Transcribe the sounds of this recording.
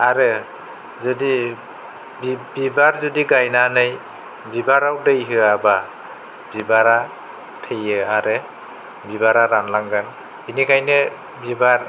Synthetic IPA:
aɾɯ | zɔdi | bbibaɾzɔdiɡajnanɯj | bibaɾawdɯjɦɯaba | bibaɾa | tʰejɯaɾɯ | bibaɾaɾanlaŋɡan | inikʰajne | bibaɾ

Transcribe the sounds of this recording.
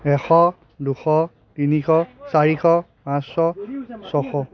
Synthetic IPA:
ɛxɔ | duxɔ | tinikʰɔsaɹixɔ | pãsɔsɔxɔ

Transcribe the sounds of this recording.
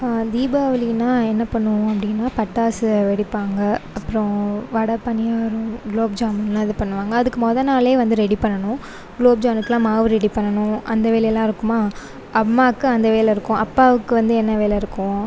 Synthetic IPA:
d̪iːbaːʋɐlɪnːaːɛnːɐpɐɳːʊɐpːɐɽɪnːaːpɐʈːaːsʋɛɽɪpːaːŋɡɐɐpːɯɾɔ̃ʋɐɽɐpɐɳːɪjaːɾʊ̃ɡloːbd͡ʒaːmnaːɐðɯpɐɳːɯʋaːŋɡɐːðɯkːɯmɔðɐnaːleːʋɐnd̪ɯɾɛɽipɐɳːɐɳʊ̃ | ɡloːb̚d͡ʒaːnɯt̪ːɯlãːmaːʋɯɾɛɽipɐɳːɐɳʊ̃ʔɐnd̪ɐʋeːlɐlːãːɪɾɯkːɯmaː | ɐmːaːkːɯɐnd̪ɐʋeːlɐɪɾɯkːʊ̃ʔɐpːaːʋɯkːɯʋɐnd̪ɯɛnːɐʋeːlɐɪɾɯkːʊ̃

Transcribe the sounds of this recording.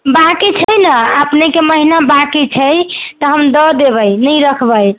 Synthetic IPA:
bakit͡ʃʰəjnəəpnekeməɦinabakit͡ʃʰəjt̪əɦəmd̪əd̪eβəjnəjɾəkʰbəj

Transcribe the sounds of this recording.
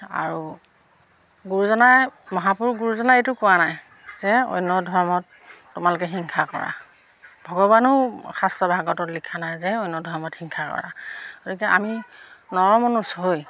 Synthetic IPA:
a̰ɹu | ɡuɹuzɔnajmɔɦapuɹɡuɹuzɔnajetʊkʊwanaj | zɛo̰jnːɔdʱɔɹmɔtː | ʊmalʊkɛxiŋkʰakɔ̰ɹa̰ | bʱɔɡɔbanʊxastɔbʱaɡɔtɔtlikʰːanajzɛojnːɔdʱɔɹmɔtxiŋkʰakɔ̰ɹa̰ɡotikɛʔa̰minɔɹɔmonusɦoj

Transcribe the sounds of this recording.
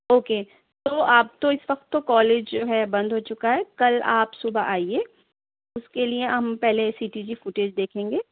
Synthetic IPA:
oːkeː | t̪oːaːp̚t̪oɪsʋɐqt̪ːokɔːleːd͡ʒd͡ʒoːɦɛbɐ̃nd̪ʱɦoːt͡ʃʊkaɦɛkɐla̰ːpsʊbaʔaːieː | ʊskelieɦɐmpɛɦlesiːʈiːd͡ʒifʊʈeːd͡ʒd̪eːkʰẽːŋɡeː

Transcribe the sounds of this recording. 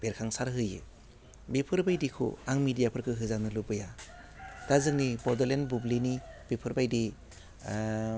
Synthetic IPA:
b̥eɾkʰaŋsaɾɦɯjɯ̰ | bipʰɯɾbajdikʰṵaŋmidijapʰɯɾkʰɯɦɯzanɯlubɯja | d̥azɯŋnibɔdɯlenbublinib̥ipʰɯɾbajdi

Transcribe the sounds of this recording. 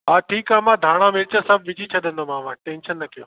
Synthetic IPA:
ɦaːʈʰiːkãːmãːd̪ʱaːɽ̃ãmɪɾt͡ɕəsɐb̚ʱʋɪd͡ʑʱit͡ɕʰɐɗ̪ə̃nd̪omãːʋãːʈẽːnʃənːɐkijoː

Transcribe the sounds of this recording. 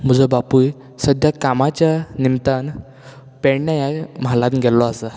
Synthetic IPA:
m̤əd͡zəbapuj | səd̪ʱjakamat͡ɕjanimt̪an | pɛɽnjajam̤alãt̪ɡʱɛlːɔasə

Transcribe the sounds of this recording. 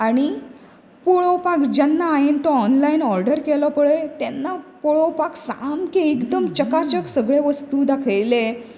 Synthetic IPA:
aɽ̃i | poɭopakd͡ʑanːaːjent̪ɔɔnlainɔɾɖəɾkelɔpəɭet̪anːapoɭopaksamkeːkd̪əmt͡ɕəkat͡ɕəksəɡɭeʋəst̪uːd̪akʰəjle

